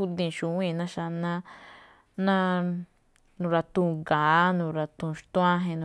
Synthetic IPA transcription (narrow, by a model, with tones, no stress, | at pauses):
u˦d̪ĩ˧˨ʃũ˧˦ĩ˦˧˨nã˦ʃa˧nã˦ | nã˦ | nũ˧ɾa˧t̪ũ˧ɡaː˨˦nũ˧ɾa˧t̪ũ˧ʃt̪ũ˦ã˦ɦẽ˧nũ˧